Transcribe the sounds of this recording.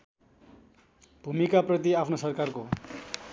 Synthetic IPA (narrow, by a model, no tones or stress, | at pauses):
bʱumikaprʌt̪iapʰnosʌrkarko